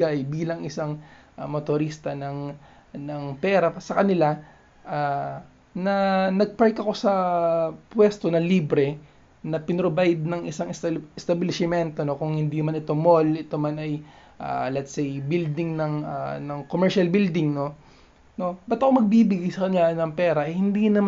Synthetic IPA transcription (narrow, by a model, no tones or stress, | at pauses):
ɡajbiːlɐŋʔɪsaŋʔmot̪oɾist̪ɐnɐŋ | nɐŋpɛːɾɐsɐkɐnɪla | ʔa | nɐnɐɡ̚paɹkɐko̞sɐ | pwɛst̪o̞nɐliːbɾɛ | nɐpɪnɾobajd̪̚nɐŋʔɪsaŋsɪst̪ɐbɪlɪsɪmɛnt̪o̞no̞kʊŋhɪnd̪inɐmanɪt̪omo̞lɪt̪omanɐj | ʔa̰lɛt̪sɛjbild̪ɪŋnɐŋanɐŋkomɛɹʃɐlbild̪ɪŋno̞ | no̞bɐt̪ɐkomɐɡ̚bibɪɡajsɐkɐnɪlanɐŋpɛːɾɐʔɐjhɪnd̪inɐm